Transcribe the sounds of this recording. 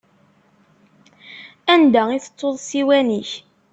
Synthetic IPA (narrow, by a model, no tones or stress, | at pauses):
ænd̪æiθə̥t͡sˤːoðˤsiwæniç